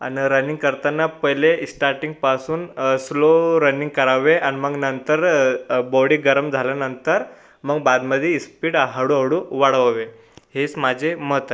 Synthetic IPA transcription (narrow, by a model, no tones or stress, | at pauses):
a̰niɾəniŋɡkəɾt̪anːapəjlesʈaɾʈiŋɡ̚pasuːnsloɾəniŋɡ̚kəɾaʋeʔaniməɡnənt̪əɾbɔɽiɡəɾəmd͡zʱaljanənt̪əɾ | məɡbad̪məd̪ʱjeispiːʈaɦaɽuɦaʋɽũʋaɽəʋaʋe | ɦet͡smad͡ʑʱemət̪